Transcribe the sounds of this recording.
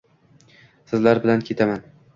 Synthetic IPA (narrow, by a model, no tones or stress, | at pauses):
sɪzlaɾbɪlankʲʰe̞t̪ʰaman